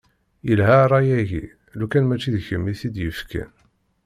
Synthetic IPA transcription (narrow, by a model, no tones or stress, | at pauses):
jəlɦæɾˤɑjæʝḭ | lukænmæt͡ʃːiðçəmːiθid̪jəfkʰæ̰n